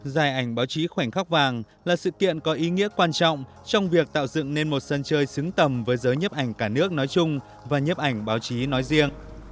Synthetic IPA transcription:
zaː˨˩jʔa˧˩jŋ̟ɓaː˨˦wt͡ɕi˨˦xwa˧˩jŋ̟xa˦˥k̚vaː˨˩ŋ | laː˨˩sɨ̰˧˨kḭ˧˨ənkɔ˨˦ʔi˨˦ŋḭ˧˥əkwaː˧nt͡ɕɔ̰˧˨wŋ͡m | t͡ɕɔ˧wŋ͡mvi˨˩ək̚t̪a̰ː˧˨wzɨ̰˧˨ŋne˧nmo˨˩t̚sə˧nt͡ɕəː˧jsɨ˨˦ŋt̪ə˨˩mvəː˨˦jzəː˨˦jɲə˦˥p̚ʔa˧˩jŋ̟kaː˧˩nɨ˦˥ək̚nɔ˨˦jt͡ɕʊ˧ŋ͡m | vaː˨˩ɲə˦˥p̚ʔa˧˩jŋ̟ɓaː˨˦wt͡ɕi˨˦nɔ˨˦jzi˧əŋ

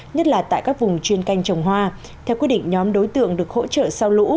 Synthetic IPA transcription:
ɲə˦˥t̚laː˨˩t̪a̰ː˧˨jkaː˦˥k̚vʊ˨˩ŋ͡mt͡ɕwi˧ənka˧jŋ̟t͡ɕə˨˩wŋ͡mɦwaː˧ | t̪ʰɛ˧wkwi˦˥ət̚ɗḭ˧˨ŋ̟ɲɔ˨˦mɗo˨˦jt̪ɨ̰˧˨əŋɗɨ˨˩ək̚ho̰˧˥t͡ɕə̰ː˧˨sa˧wlṵ˧˥

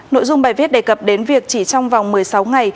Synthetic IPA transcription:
no̰˧˨jzʊ˧ŋ͡mɓaː˧˩jvi˦˥t̚ɗe˨˩kə˨˩p̚ɗe˨˦nvi˨˩ək̚t͡ɕi˧˩t͡ɕɔ˧wŋ͡mva˨˩wŋ͡mmɨ˨˩əjsa˨˦wŋa˨˩j

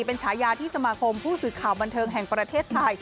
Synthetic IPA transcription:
pe˧nt͡ɕʰaː˩˦˥jaː˧t̪ʰiː˥˩sa˧maː˧kʰo˧mpʰuː˥˩sɯː˨˩kʰaː˨˩wba˧nt̪ʰɤː˧ŋɦɛ˨˩ŋpɾa˧t̪ʰeː˥˩t̪ʰːa˧j

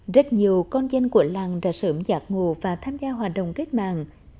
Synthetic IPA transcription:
zə˦˥t̚ɲi˨˩əwkɔ˧nzə˧nku˧˩əla˨˩ŋɗa̰ː˧˥səː˧˦mzaː˨˦˥k̚ŋu˨˩vaː˨˩t̪ʰaː˧mzaː˧ɦwaː˨˩t̚ɗə̰˨wŋ͡mke˦˥k̚ma̰ː˧˨ŋ

